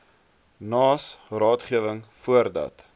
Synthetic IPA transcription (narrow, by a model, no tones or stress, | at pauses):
nɑːsrɑːtχiəvəŋfuərdɐ̰t